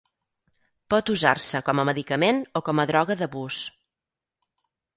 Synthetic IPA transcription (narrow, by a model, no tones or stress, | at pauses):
pɔt̪uza̰rsəkɔməməðikəmenokɔməðɾɔɣəðəβus